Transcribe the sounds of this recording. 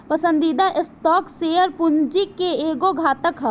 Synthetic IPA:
pəsə̃nd̪id̪aʔɪsʈɔːkseːəɾpʊnd͡ʒikeeːɡoɡʱaːt̪əkɦɛ

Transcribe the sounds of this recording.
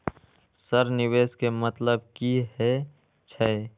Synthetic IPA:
səɾnɪweːskemət̪ləb̚kiɦɛ | t͡ʃʰɛe

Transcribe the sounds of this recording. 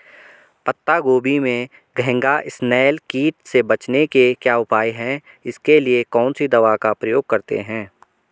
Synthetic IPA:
pɐt̪ːaɡoːbimẽ | ɡʱɛɪ̃ŋɡaʔɪsnɛːlkiːʈsebɐt͡ʃnekekjaʊpaːiɦɛ̃ | ɪskeliekɔːnsid̪ɐʋakapɾɐjoːɡ̚kɐɾt̪ḛɦɛ̃ː

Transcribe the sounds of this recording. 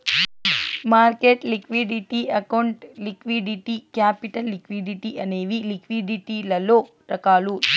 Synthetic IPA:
maːɾkeːʈlikʋiɖiʈiɐkɐwuɳʈlikʋiɖiʈikaːpiʈɐlːikʋiɖiʈiʔɐneːʋilikʋiɖiʈiːlɐloː | ɾɐkaːlu

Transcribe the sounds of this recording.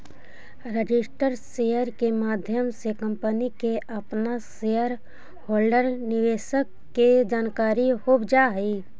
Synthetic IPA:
ɾəd͡ʒɪsʈəɾsejəɾkemaːd̪ʱjəmsekə̃mpənikeʔɐpnaseəɾ | hoːlɖəɾnɪʋeːʃəkːed͡ʒaːnkaːɾihobd͡ʒaːɦiː

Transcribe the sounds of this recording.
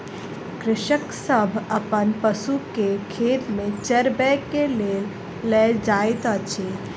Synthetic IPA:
kɾɪʃəksəbʱəpənpəsukekʰeːt̪mẽt͡ʃeɾbɛːkːele | lɛd͡ʒaːet̪ət͡ʃʰe

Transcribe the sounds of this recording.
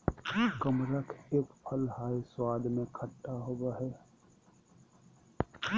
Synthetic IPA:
kəmɾəkʰeːkpʰəlhaːjswaːd̪ʱmẽkʰəʈːaɦoːbaɦɛː

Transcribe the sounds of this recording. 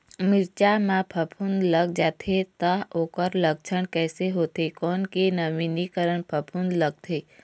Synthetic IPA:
mɪɾt͡ʃamãpʰəpʰũnd̪ləɡd͡ʒaːt̪ʰet̪aoːkəɾlək̚t͡ʃʰəɽkɛːseɦoːt̪ekɔːnkenəʋinikəɾəɳpʰəpʰũnd̪ləɡ̚t̪ʰeː

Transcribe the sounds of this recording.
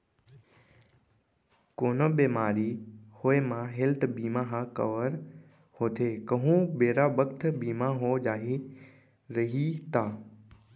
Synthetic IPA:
koːnəbeːmaːɾihoːemãɦelt̪biːmãɦãkə̰ʋəɾ | hoːt̪ʰeːkɐɦũbeːɾabəkt̪ʰbiːmãɦod͡ʒaːɦi | ɾɐɦit̪ʰaː

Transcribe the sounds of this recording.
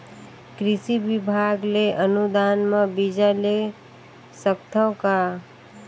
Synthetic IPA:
kɾɪsibɪbʱaːɡleʔənud̪aːnmãbid͡ʒale | səkt̪ʰəka

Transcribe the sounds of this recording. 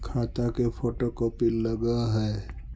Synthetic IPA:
kʰaːt̪akepʰoːʈokopilːəɡaɦɛː

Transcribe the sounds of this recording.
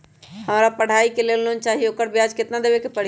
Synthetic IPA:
həmɾapəɽ̤aːikeleːlnont͡ʃaːɦioːkəɾbjaːd͡ʒkɪt̪nad̪eːbekepəɽ̤

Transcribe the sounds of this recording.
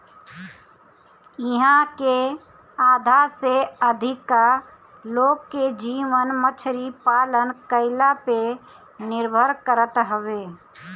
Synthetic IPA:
ɪɦãke | aːd̪ʱaseəd̪ʱɪka | loːɡkːed͡ʒiːʋənmət͡ʃʰɾipaːlənkəɪlape | nɪɾbʱəɾkəɾət̪ɦəʋeː

